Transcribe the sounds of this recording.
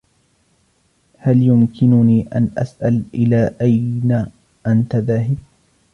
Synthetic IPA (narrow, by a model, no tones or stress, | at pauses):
haljʊmkʰɪnʊniːʔa̰nʔa̰sʔalʔɪlaːʔajna | ʔant̪aðaːɦɪb̚